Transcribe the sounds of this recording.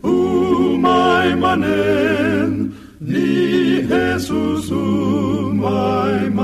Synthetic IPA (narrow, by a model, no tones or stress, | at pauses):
umajmane | n | niɦesusu | majma